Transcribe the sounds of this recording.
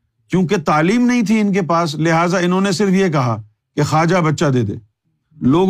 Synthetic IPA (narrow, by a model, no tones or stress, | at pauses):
kjũːket̪aːliːmnɐɦĩt̪ʰiɪnk̬epaːs̬lɪɦaːzaɪnɦõːnesɪɾəfjek̬ɐɦa | kexaːd͡ʒabɐtːʃad̪eːd̪ḛː | loːɡ